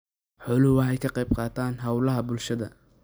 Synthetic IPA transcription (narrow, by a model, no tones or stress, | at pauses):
ħɔlʊhʊwɐɦɛjkʰɐqɛjbqɑːt̪ʰaːnɦɐwlɐɦɐbʊlʃɐðɐ̰